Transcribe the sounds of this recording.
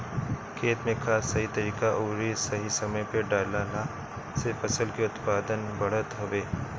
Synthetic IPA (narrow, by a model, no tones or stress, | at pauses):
kʰeːt̪mẽkʰaːsɐɦit̪ɐɾiːkaʔoːɾisɐɦisɐməjpeɖaːlaːla | sefɐsəlkiʊt̪paːd̪ənbɐɽ̤ət̪ɦoʋeː